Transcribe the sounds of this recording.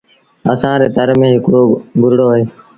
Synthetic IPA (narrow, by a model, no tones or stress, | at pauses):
əsãːɾeːt̪əɾmẽːɦɪkɽoːɡʊɾɽoːəɦeː